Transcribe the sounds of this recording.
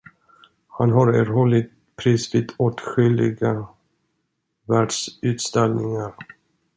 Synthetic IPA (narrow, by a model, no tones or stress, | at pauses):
hanɦaɾɛɾɦɔlːɪɡ | pʰɾiːsviːd̪oːt̪ɧʏlːɪ̰ɡa | væːɖʂʉ̟ːt̪st̪ɛlnɪŋaɾ